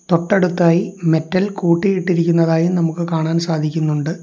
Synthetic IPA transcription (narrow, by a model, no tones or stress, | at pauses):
t̪oʈːɐɽut̪ːaːjime̞tːɐlkuːʈːijiʈːiɾikʲːunːɐðaːjumnɐmukːɨkaːɳaːnsaːd̪ʱikʲːunːuɳɖɨ